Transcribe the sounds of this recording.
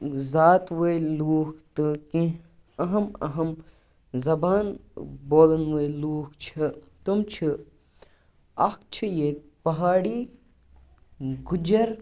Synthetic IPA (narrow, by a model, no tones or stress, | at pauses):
zaːt̪ʋəjluːkʰt̪ɨkĩ | ɐɦɐmɐ̰ɦɐm | zɐbaːnboːlɐnʋəjluːkʰt͡ʃʰit̪umt͡ʃʰi | ɐkt͡ʃʰijeːk̚ | pɐɦaːɽi | ɡud͡ʒɐɾ